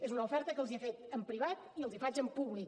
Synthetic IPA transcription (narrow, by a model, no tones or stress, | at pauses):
ezunəufɛɾt̪əkəlˠziəfet̪əmpɾiβat̪iəlˠzifad͡ʒəmpuβlik